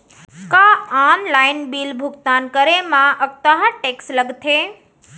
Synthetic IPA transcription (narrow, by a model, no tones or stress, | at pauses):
kãamlainbilbʱʊɡt̪ankəɾemãʔək̚t̪aɦãʈeksləɡt̪ʰe